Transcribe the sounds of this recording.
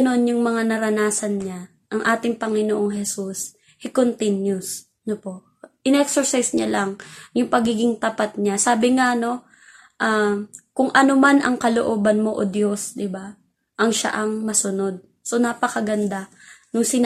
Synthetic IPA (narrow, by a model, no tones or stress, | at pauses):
ɐno̞njʊŋmɐŋanɐɾɐnaːsɐnɲa | ʔɐŋʔaːt̪ɪŋpɐŋɪnoʔoŋhɛsus | hɪkont̪ɪnjʊs | nopo̞ʔ | ʔɪnɛksɛɹsajsɲalaŋjʊŋpɐɡiːɡɪŋt̪ɐpat̪̚ɲasaːbɪŋano̞ | ʔakʊŋʔɐnomanʔɐŋkɐlo̰ʔoːbɐnmo̞ʔod̪jo̞sd̪ɪba | ʔɐŋʃa̰ʔɐŋmɐsʊno̞d̪̚ | sonapɐkɐɡɐnd̪a | nʊŋsɪn